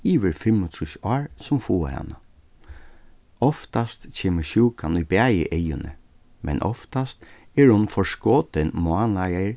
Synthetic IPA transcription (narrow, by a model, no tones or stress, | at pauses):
iːʋəɾfɪmʊt̪ʰɾuʃɔːɹsʊmfuːə̰ha̰na | ɔft̪ast̪t͡ɕʰeːməɹʃuːkanujbæːjɪ̰ʔejʊnə̰ | mɛ̰nʔɔ̰ft̪ast̪ɛɹhʊnfɔɹskoːt̪ɪnmʊanajajɹ